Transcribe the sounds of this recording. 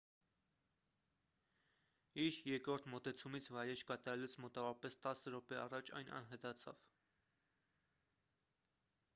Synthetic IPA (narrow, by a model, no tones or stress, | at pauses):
iɾjɛɾkɾɔɾt̪ʰmɔt̪ɛt͡sʰumit͡sʰvɑjɾɛt͡ʃʰkɑt̪ɑɾɛlɛt͡sʰmɔt̪ɑvɔɾɑpɛst̪ɑsəɾɔpɛɑrɑt͡ʃʰɑ̰jnɑ̰nɦɛt̪ɑt͡sʰɑv̥